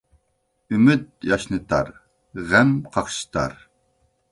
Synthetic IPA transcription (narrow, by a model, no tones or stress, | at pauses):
ymyt̪̚jɑʃnɨt̪ʰɑ̰ɾ | ʁɛmqʰɑχʃi̥t̪ʰɑ̰ɾ